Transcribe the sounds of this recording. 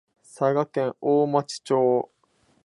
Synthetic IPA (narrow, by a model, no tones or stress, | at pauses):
saɡakẽ̞ɰoːmat͡ɕi̥t͡ɕoː